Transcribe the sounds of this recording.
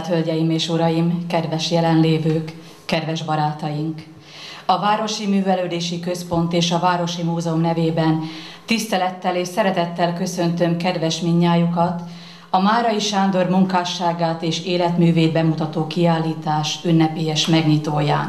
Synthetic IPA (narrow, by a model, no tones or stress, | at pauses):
t̪hølɟɛjimeːʃuɾɒjimkɛd̪vɛʃjɛlɛnleːvøːkː | ɛd̪vɛʒbɒɾaːt̪ɒjiŋk | ɒvaːɾo̞ʃimyːvɛløːd̪eːʃikø̞spo̞nt̪eːʃɒvaːɾo̞ʃimuːzɛomnɛveːbɛnt̪ist̪ɛlɛt̪ːɛleːʃsɛɾɛt̪ɛt̪ːɛlkø̞sø̞nt̪ø̞mkɛd̪vɛʃmiɲːaːjukɒt̪ | ɒmaːɾɒiʃaːnd̪o̞rmuŋkaːʃːaːɡaːt̪eːʃeːlɛt̪myːveːd̪̚bɛmut̪ɒt̪oːkiaːlːiːt̪aːʃynːɛpeːɛʃmɛɡɲit̪oːjaːn